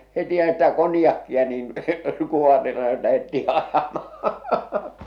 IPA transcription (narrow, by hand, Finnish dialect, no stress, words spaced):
hetihæ̆ stæ konĭjɑkːiɑ niːn kuohɑrile jɑ læhetːiː ɑjɑmɑhɑ̥